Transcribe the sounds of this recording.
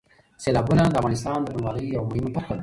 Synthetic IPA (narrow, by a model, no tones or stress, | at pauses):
selɑbunad̪əamɑnɪst̪ɑːnd̪əbənwɑləjawmʊhɪmapaxal